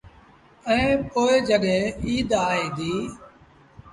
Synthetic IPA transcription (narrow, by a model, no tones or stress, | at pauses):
əẽːpoːeːd͡ʒəɠẽːiːd̪aːɦeːd̪iː